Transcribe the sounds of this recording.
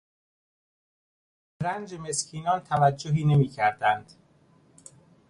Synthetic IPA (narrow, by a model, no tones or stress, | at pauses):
ɾænd͡ʒeme̞scʰiːnɒːnt̪ʰævæd͡ʒːoɦiːne̞miːcʰæɾd̪ænd̪̥